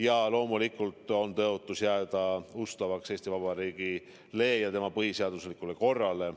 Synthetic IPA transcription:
jɑlo̞ːmulikːˑult̪ˑo̞nt̪ɤot̪ːˑusjæːd̪̥ɑust̪ɑvɑkse̞ːsʲt̪ivɑb̥ɑɾiːɡ̥i | le̞ːjɑt̪e̞mɑpɤhise̞ɑd̪̥uslikːˑule̞ko̞rːɑle̞

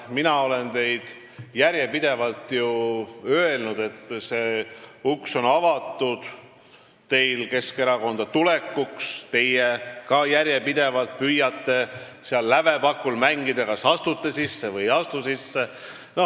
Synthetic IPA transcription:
minɑo̞le̞nt̪e̞jd̪̥ | jæɾjepid̪̥e̞vɑlt̪juø̞elnud̪̥e̞t̪ːˑse̞ːukso̞nɑvɑt̪ːˑud̪̥ | t̪e̞jlke̞ske̞ɾɑko̞nd̪̥ɑt̪ule̞kːukst̪e̞jekɑjæɾje̞pid̪̥e̞vɑlt̪̚pyjːɑt̪ˑːe̞seɑlːæve̞pɑkːˑulmæŋɡid̪̥ɑkɑsɑst̪ut̪ːesisːe̞vɯjɑst̪usisːe̞ | no̞

